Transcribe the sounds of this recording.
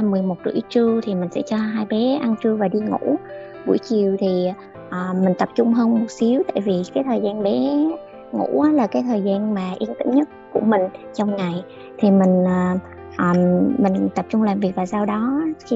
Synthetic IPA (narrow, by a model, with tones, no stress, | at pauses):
mɨ˨˩əjmo˨˩t̚zɨ̰˧˥t͡ɕɨ˧ət̪ʰi˨˩mï˨˩ŋ̟sɛ̰˧˥t͡ɕɔ˧ɦaː˧jɓe˨˦ʔa˧nt͡ɕɨ˧əvaː˨˩ɗi˧ŋṵ˧˥ | ɓu˧˩jt͡ɕi˨˩əwt̪ʰi˨˩ | ʔəː˨˩mï˨˩ŋ̟t̪ə˨˩p̚t͡ɕʊ˧ŋ͡mɦəː˧nmo˨˩t̚si˨˦əwt̪a̰ː˧˨jvi˨˩kaː˨˦jt̪ʰəː˨˩jzaː˧nɓɛ˨˦ | ŋṵ˧˥ʔaː˨˦laː˨˩kaː˨˦jt̪ʰəː˨˩jzaː˧nmaː˨˩ʔi˧ənt̪ɨ̰˧˥ŋ͡mɲə˦˥t̚ku˧˩əmï˨˩ŋ̟t͡ɕɔ˧wŋ͡mŋa˨˩j | t̪ʰi˨˩mï˨˩ŋ̟ː˨˩ | ʔəː˨˩mï˨˩ŋ̟t̪ə˨˩p̚t͡ɕʊ˧ŋ͡mlaː˨˩mvi˨˩ək̚vaː˨˩saː˧wɗɔ˨˦xi˧